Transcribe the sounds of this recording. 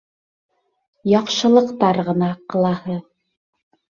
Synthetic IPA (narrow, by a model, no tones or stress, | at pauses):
jɑqʃɤ̆lˠɤ̆qt̪ɑɾʁɤ̆nɑqɤ̆lˠɑhɤ